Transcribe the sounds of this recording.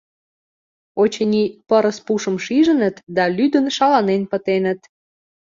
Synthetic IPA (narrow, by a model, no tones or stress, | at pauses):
ot͡ɕenipəɾəspuʃə̆mʃiʒə̆nə̆t̪d̪ɑlyd̪ənʃɑlɑnenpə̆t̪enət̪